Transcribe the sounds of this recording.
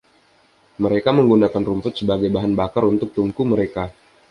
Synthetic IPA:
məɾekaməŋɡunakanrumpʊt̪̚səbaɡajbaɦanbakaɾunt̪ʊk̚t̪uŋkuməɾeka

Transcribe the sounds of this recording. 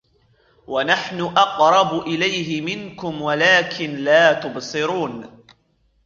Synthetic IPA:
wanaħnʊʔɑqɾˤɑbʊʔɪlajɦɪmɪnkʊmwalaːkʰɪnlaːt̪ʊbsɨɾuːn

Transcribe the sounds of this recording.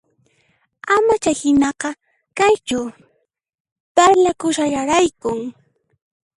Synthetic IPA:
amat͡ʃajhɪnɑqɑ | kajt͡ʃʊ | paɾlakʊʃajaɾajkʊŋ

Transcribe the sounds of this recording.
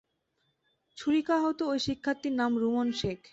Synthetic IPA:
t͡ɕʰuɾikaɦɔt̪oojʃikʰːat̪ːiɾnamɾumonʃekʰ

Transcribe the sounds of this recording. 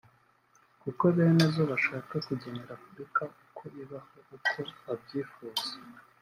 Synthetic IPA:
kuko̞βe̞ːnezoβaʃaːkakuɟemeɾapubɾikaʔukʰo̞ʔiβahoukʰo̞βabɟiːfuːz̥e

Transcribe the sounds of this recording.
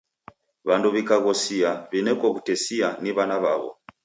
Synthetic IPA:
βanduβikaɣɔsiaβinɛkɔβutɛsianiβanaβaβɔ̰

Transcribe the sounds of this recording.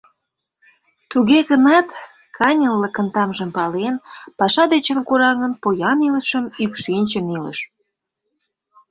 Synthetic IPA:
t̪uɣeɣənɑt̪ | kʰɑnʲəlːəkənt̪ɑmʒə̆mpɑlenpɑʃɑd̪et͡ɕənkuɾɑɣə̆npojɑniləʃəmykʃinʲt͡ɕənilə̰ʃ

